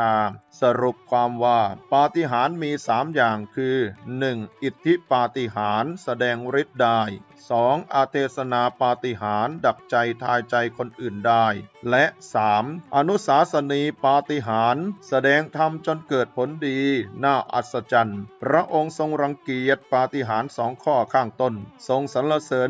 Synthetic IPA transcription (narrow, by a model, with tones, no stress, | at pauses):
aː˧sa˧ɾu˨˩p̚kʰwaː˧mwaː˥˩paː˧t̪i˧˥ɦaː˩˦nmiː˧saː˩˦mjaː˨˩ŋkʰɯː˧nɯ˨˩ŋʔi˨˩t̪ʰːi˦˥paː˧t̪i˧˩ɦaː˩˦nsa˧dɛː˧ŋɾi˦˥t̪̚daː˧˥˩j | sɔː˩˦ŋʔa˧t̪ʰeː˧˩sa˧naː˧paː˧t̪i˧˩ɦaː˩˦nda˨˩k̚t͡ɕa˧jt̪ʰaː˧jt͡ɕa˧jkʰo˧nʔɯː˨˩ndaː˥˩jlɛ˦˥ʔsaː˩˦mʔa˧nu˦˥saː˨˩˦sa˧niː˧paː˧t̪i˧ɦaː˩˦nsa˧dɛː˧ŋt̪ʰa˧mt͡ɕo˧nkɤː˨˩t̪̚pʰo˩˦ndiː˧naː˥˩ʔa̰˨˩t̪̚sa˧t͡ɕa˧npʰɾa˦˥ʔo˧ŋso˧ŋɾa˧ŋki˨˩ət̪̚paː˧t̪i˧ɦaː˩˦nsɔː˩˦ŋkʰɔː˥˩kʰaː˥˩ŋt̪o˥˩nso˧ŋsa˩˦nla˧sɤː˨˦